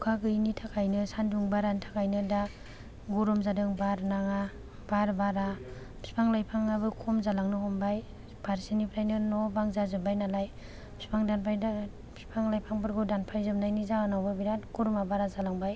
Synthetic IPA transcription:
ukʰaɡɯinitʰakʰajnɯsanduŋbaɾantʰakajnɯda | ɡuɾumzadɯŋbaɾnaŋa | baɾbaɾa | pʰispʰaŋlajpʰaŋaβɯkʰɔmzalaŋnɯɦɔmbaj | b̥aɾsinipʰɾajnɯnɔbaŋzazɯbajnalaj | pʰi̥spʰaŋdanpʰajda | bʰispʰaŋlajpʰaŋbɯɾɡɯdanpʰajzɯmnajnizaanawbabiɾatɡ̥uɾumabaɾazalaŋbaj

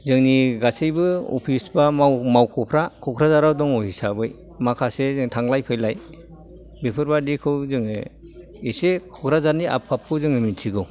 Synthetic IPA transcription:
zɯŋniɡasɯjbɯɔ̰pʰisbamawmawkʰɔpʰɾakʰɔkʰɾazaɾawdɔŋɔhisabɯj | makʰasezɯŋtʰaŋlajpʰɯjlaj | bepʰɯɾbadikʰɯwzɯŋe | esekʰɔkʰɾazaɾnia̰pʰːap̚kʰɯwzɯŋɯmitʰiɡɔ

